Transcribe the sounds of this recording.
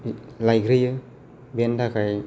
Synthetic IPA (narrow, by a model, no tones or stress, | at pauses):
lajɡɾɯjɯ | bendakʰaj